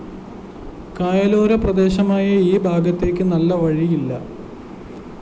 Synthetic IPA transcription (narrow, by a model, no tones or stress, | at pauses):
kaːjɐlo̞ːɾɐprɐd̪e̞ːɕɐmaːjɐiːbʱaːɡɐt̪ːe̞ːkʲːɨnɐlːɐʋɐɻijilːɐ